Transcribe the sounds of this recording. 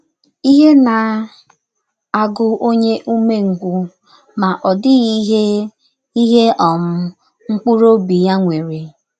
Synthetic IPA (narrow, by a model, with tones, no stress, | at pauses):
i˦ɦe˦na˨ | a˨ɡʊ˦o˦ɲe˦ʔu˦me˦ŋ̩˨ɡʷu˦ | ma˨ʔɔ˨dɪ˦ɣi˦ɦe˦ | i˦ɦe˦ʔɔ˨m̩˦ | ŋ̩˦k͡pu˦ɾo˦bi˨ja˦ŋʷe˨ɾe˨